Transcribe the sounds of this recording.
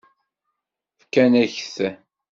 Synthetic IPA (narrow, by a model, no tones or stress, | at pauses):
fkːænæçθæ